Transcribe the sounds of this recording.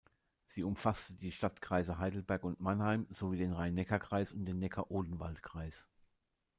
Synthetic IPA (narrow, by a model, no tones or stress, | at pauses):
z̥iːʊmfastədiːʃtatkʁ̥aɪzəɦaɪdl̩bɛɐkʊntmanhaɪmz̥oviːdeːnʁaɪnɛkɐkʁ̥aɪsʊntd̥eːnːɛkʰɐʔoːdn̩valtkʁ̥aɪs